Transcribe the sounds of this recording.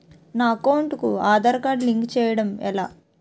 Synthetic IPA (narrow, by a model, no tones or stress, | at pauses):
naːɐkɐwɳʈkuaːd̪ɐɾkaːɖliŋkt͡ʃɛːjɐɽɐmɛ̰laː